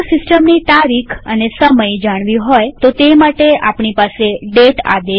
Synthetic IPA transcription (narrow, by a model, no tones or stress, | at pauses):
sɪsʈəmnit̪aɾikʰənesəməjd͡ʒaɽ̃ʋiɦojt̪ot̪emaʈeapɳ̃ipaseɖeʈa̰d̪e